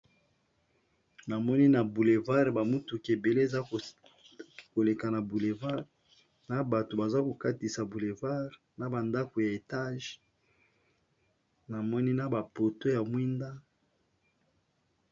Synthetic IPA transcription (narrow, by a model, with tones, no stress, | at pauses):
na˨mɔ˦ni˦na˨bu˨le˨va˦ʁba˨mu˦tu˨ke˨be˨le˦e˨za˦˨ | ko˨le˨ka˨na˨bu˨le˨va˦ʁ | na˨ba˨to˨ba˨za˦ko˨ka˦ti˨sa˨bu˨le˨va˦ʁ | na˨ba˨nda˦ko˨ja˨e˨ta˦ʒ | na˨mɔ˦ni˦na˨ba˨po˨to˦ja˨mwi˦nda˦